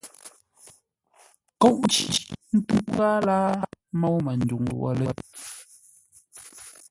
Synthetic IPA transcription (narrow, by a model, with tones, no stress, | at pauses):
ko˦ʔn̩˦t͡ʃḭ˨i˦˨ʔn̩˦tu˦pa˦laː˦mɔ˦wmə˨n̩˨du˨ŋo˨ʔɔ̰˨lə˨˦t̚